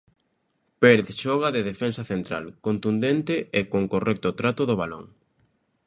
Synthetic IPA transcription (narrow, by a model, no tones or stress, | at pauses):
peɾeðʃɔɣ̞ɐðɪðefensɐθent̪ɾa̰lkont̪und̪ent̪ɪʔekoŋkorɛk̚t̪ʊt̪ɾat̪ʊðoβalo̰ŋ